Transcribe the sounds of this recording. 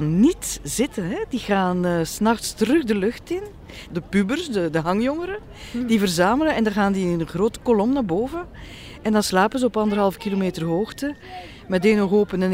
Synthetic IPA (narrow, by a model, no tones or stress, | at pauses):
nnːitz̥ɪtənɦɛdiɣaːnəːsnɑxtstərɵxdəlɵxtɪn | dəpybərsdədəɦɑŋjɔŋəɾə | d̥ivərzaːmələnɛndɑnɣaːndinənəɣroːtə̥kɔlɔmnaːrboːvən | ɛndɑnslaːpənzəɔpɑndərɦɑlˠfkilomeːtərɦoːxtə | mɛdeːnɔxoːpənən